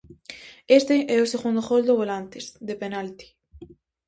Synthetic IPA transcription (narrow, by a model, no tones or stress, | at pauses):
est̪eʔɛoseɣund̪oxold̪oβolant̪ezðepenalt̪i̥